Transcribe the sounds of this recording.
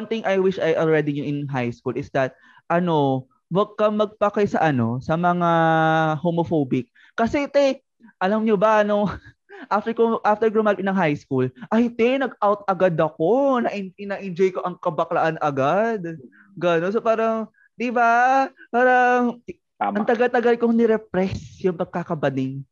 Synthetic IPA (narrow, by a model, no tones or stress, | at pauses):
ɐŋt̪ɪŋʔɐjwɪʃɐjʔɐlɹɛd̪ɪɲʊʔɪnɦajskulʔɪsd̪ɐt̪̚ | ʔɐno̞ | wɐɡ̚kɐmɐɡ̚pɐkajsɐʔɐno̞sɐmɐŋahomofobɪk̚ːɐsɛt̪ɛ | ʔɐlɐmɲobɐno | ʔaft̪ɛkoʔaft̪ɛɹkomakɪnɐŋɦajskulʔɐjt̪ɛnɐɡ̚awt̪̚ɐɡad̪ɐk̚o̞nɐʔɪɪnaʔɪnd͡ʒojkoʔɐŋkɐbɐklɐʔanɐɡad̪̚ | ɡɐnons̬opaːɾɐŋ | d̪̥ɪbapaːɾɐŋ | ɐŋt̪ɐɡalt̪ɐɡalkoŋnɪɾɛp̚ɾɛsjʊŋpɐɡ̚kakɐbɐd̪ɪŋ